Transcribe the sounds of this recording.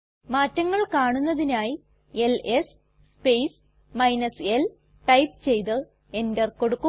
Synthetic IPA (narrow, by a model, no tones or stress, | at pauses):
maːtːɐŋːɐɭkaːɳunːɐðinaːji | e̞les | spejs | mɐjnɐsel | ʈɐjp̚t͡ɕe̞jt̪ɨ | e̞nderko̞ɽukːu